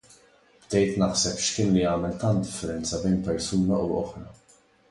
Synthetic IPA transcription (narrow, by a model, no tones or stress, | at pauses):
b̥t̪ɛjt̪nɐħsɛpʃkɪːnliɐːmɛlt̪ɐnt̪̚d̪ɪfːɛɾɛnt͡sɐbɛjnpɛɾsuːnɐʔuɔ̰ħɾɐ